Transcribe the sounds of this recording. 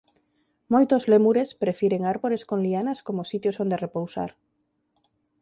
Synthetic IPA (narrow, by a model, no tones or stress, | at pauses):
mojt̪ozlemuɾespɾefiɾeŋaɾβoɾeskoŋlianaskomosit̪josond̪erepowsa̰ɾ